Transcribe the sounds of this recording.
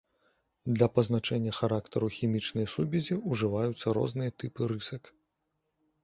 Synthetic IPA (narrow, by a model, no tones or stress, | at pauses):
d̪lʲɐpɐznat͡ʂɛnʲːɐxaɾakt̪ɐɾuxʲimʲit͡ʂnɐjsubʲizʲiuʐɨvajut̪sːɐɾɔ̰znɨjɐt̪ɨpɨɾɨsɐk